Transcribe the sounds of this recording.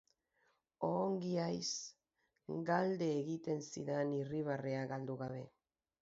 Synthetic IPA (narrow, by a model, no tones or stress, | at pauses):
oːŋɡiajs | ɡald̪e̞ːɣit̪e̞nsḭɾeniriβ̞areaɣald̪uɣaβ̞e̞